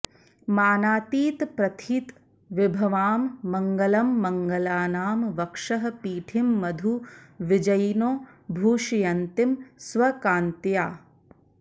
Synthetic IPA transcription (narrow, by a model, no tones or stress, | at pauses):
maːnaːt̪iːt̪pɾɐt̪ʰiːt̪ | ʋɪbʱɐʋaːmːɐŋɡɐlɐmːɐŋɡɐlaːnaːmʋɐkʂɐɦɐ̆piːʈʰimːɐd̪ʱuʋɪd͡ʒɐjnoː | bʱuːʂijɐnt̪imsʋɐkaːnt̪jaː